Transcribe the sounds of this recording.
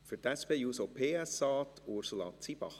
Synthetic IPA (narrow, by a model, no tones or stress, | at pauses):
fyɾtɛspeːjuːsopʰeːæsɑːtʰoɾsulɑːtt͡sib̥ɑ̰χ